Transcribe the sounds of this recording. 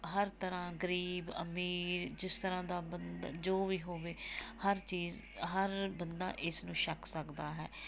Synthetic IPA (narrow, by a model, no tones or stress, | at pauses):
ɦəɾt̪əɾãːɡəɾiːbə̰miːɾd͡ʒɪst̪əɾãːd̪aːbənd̪d͡ʒoːʋiːɦoːʋeːhəɾt͡ʃiːz | ɦəɾbənd̪a̰ːʔɪsnũːʃəkʰsəkd̪aːɦɛː